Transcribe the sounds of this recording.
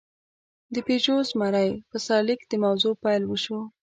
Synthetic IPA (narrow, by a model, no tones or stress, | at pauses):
d̪əped͡ʒozmaɾajpəsaɾlikd̪əmawzopɑjlwəʃo